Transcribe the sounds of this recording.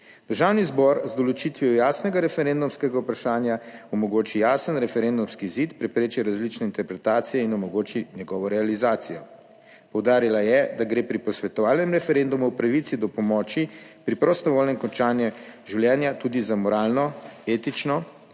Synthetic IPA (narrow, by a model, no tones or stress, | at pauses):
d̪̥əɾʒawnizbɔɾzd̪ɔlɔt͡ʃit̪ʋiɔjaːsnɛɡaɾɛfɛɾend̪umskɛɡaupɾaʃaːnjaɔmɔɡoːt͡ʃijaːsənɾɛfɛɾend̪umskiːzit̪pɾɛpɾeːt͡ʃiɾazlit͡ʃnɛint̪ɛɾpɾɛt̪aːt̪sijɛinɔmɔɡoːt͡ʃiɲjɛɡɔːʋɔɾɛalizaːt̪sijɔ | pɔwd̪aːɾilajɛd̪aɡɾeːpɾipɔsʋɛt̪ɔʋaːlnɛmɾɛfɛɾend̪umuwpɾaʋit̪sid̪ɔpɔmɔːt͡ʃipɾipɾɔst̪ɔʋoːlnɛmkɔnt͡ʃaːnjɛʒiwljɛːnjat̪ud̪izamɔɾaːlnɔeːt̪it͡ʃnɔ